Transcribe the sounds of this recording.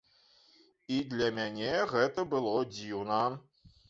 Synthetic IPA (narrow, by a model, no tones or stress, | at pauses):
id̪lʲɐmʲanʲeɣɛt̪ɐbɨlˠɔd͡zʲiwnɐ